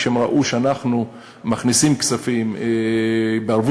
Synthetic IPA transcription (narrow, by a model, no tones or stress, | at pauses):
hemʁa̰ʔuʃeanaχnu | maχnisimksafim | beaɾvu